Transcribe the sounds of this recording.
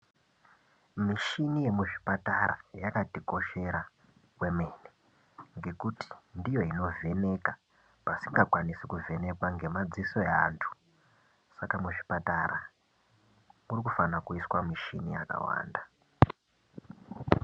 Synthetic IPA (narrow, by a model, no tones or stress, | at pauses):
miʃinije̞muʐipataɾa̰jakatiko̞ʃe̞ɾa | kwemene | ŋɡe̞kuti̥ndijo̞ino̞ve̞ne̞ka | pasiŋɡakwanisikuve̞ne̞kwaŋɡe̞mad͡ziso̞eaːntʰu̥ | sakamuʐi̥pataɾa | murikufanakuiswamiʃinḭja̰ka̰wa̰ːnda